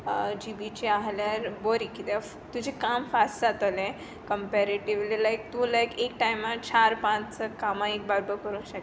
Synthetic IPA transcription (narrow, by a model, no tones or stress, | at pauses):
d͡ʑibit͡ɕiaɦljaɾboɾikit̪e | t̪ud͡ʑʱekamfast͡sat̪əlẽ | kəmpɛɾeʈiʋlilajk̚t̪ulajkekʈajmat͡ɕʰaɾpãt͡st͡səkamãek̚baɾbəɾkəɾũːɕək